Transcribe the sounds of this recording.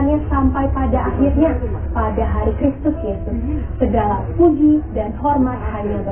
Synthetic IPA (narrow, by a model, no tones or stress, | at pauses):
ɲasampajpadaːhirɲapadaɦaɾikɾist̪ʊsjesʊsː | ədalampud͡ʒidanhɔrmat̪̚haiɲabə